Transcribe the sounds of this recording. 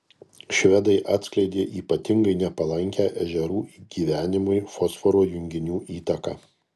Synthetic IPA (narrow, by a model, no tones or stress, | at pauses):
ʃʲʋʲɛd̪ɐɪʔɑːt̪sʲklʲɛɪd̪ʲeːʔiːpɐt̪ʲɪŋɡɐɪnʲɛpɐlˠɐŋʲkʲæːʔɛʒʲɛɾuːɡ̥ʲiːʋʲæːnʲɪmʊɪfɔsfɔɾoːjʊŋʲɡʲɪnʲuːʔiːt̪ɐkɑ̰ː